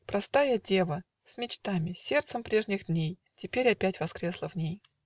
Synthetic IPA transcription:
pɾɐst̪ajədʲe̞və | sʲmʲɪt͡ɕt̪amʲɪsʲe̞rt̪səmpɾʲe̞ʐnʲɪɣd̪ʲnʲej | tʲɪpʲeɾʲɐpʲætʲvɐskɾʲe̞slˠəvnʲej

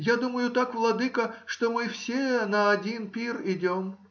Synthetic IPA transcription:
jad̪uməjʊt̪akvlˠɐd̪ɨkəʂt̪omɨfsʲenɐɐdʲinpʲirɪdʲom

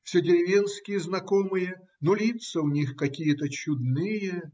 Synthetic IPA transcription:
fsʲedʲɪɾʲɪvʲenskʲɪjəznɐkomɨjə | nolʲit̪səʊnʲixkɐkʲijət̪ət͡ɕʊd̪nɨjə

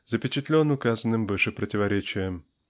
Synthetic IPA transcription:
zəpʲɪt͡ɕɪt̪lʲo̞nʊkazənːɨmvɨʂɨpɾətʲɪvɐɾʲet͡ɕɪjəm

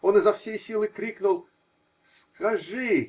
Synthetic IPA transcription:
o̞nɨzɐfsʲejsʲilˠɨkɾʲiknʊlˠ | skɐʐɨ

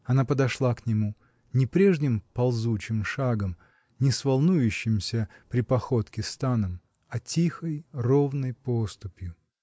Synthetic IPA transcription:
ɐnapəd̪ɐʂlˠaknʲɪmu | nʲɪpɾʲe̞ʐnʲɪmpɐlˠzut͡ɕɪmʂaɡəm | nʲɪsvɐlˠnujʉɕːɪmsʲəpɾʲɪpɐxot̪kʲɪst̪anəm | ɐtʲixəjrovnəjpost̪ʊpʲjʊ

